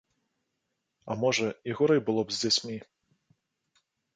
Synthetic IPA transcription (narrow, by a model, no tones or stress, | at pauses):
ɐ̰mɔʐɐiɣɔɾɨjbɨlˠɔbzʲd͡zʲat͡sʲmʲi